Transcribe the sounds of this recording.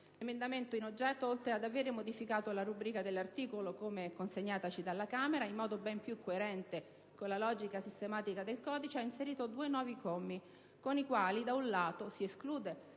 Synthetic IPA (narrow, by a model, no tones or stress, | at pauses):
lemend̪ament̪oinod͡ʒːɛt̪ːoolt̪ɾead̪aveːɾemod̪ifikaːt̪olaɾubɾiːkad̪elːart̪iːkolokomekonseɲːaːt̪at͡ʃid̪alːakaːmeɾaimːɔːd̪obɛmpjukʰːoeɾɛnt̪e | konlalɔːd͡ʒikasist̪emaːt̪ikad̪elkɔːd̪it͡ʃeainseɾiːt̪od̪uːenwɔːvikomːi | konikwaːlid̪aunlaːt̪osieskluːd̪e